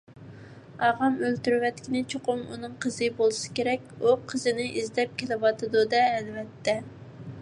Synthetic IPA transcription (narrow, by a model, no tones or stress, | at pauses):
ɑʁɑmølt̪yɾwɛt̪kʲinɪt͡ʃʰoqʊmṵnɨŋqʰəzɨbolˠɨsɪ̥kʲeɾɛkʲuqʰəzɨnɪʔizd̪ɛp̚kʲʰelɪwɑt̪ʰɨd̪ud̪ɛːlvɛt̪ːɛ